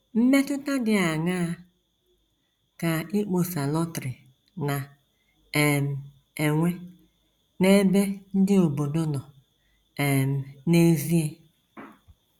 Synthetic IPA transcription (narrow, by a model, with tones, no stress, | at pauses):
m̩˦me˦tʊ˦ta˦dɪ˦a˨ŋa˦ | ka˨i˦k͡po˨sa˨lɔ˦tɾɪ˨ | na˨ | e˨m̩˨ | e˨ŋʷe˦ | ne˦be˦n̩˦dɪ˦o˨bo˨do˦nɔ˨ | e˨m̩˨ne˦zi˦e˦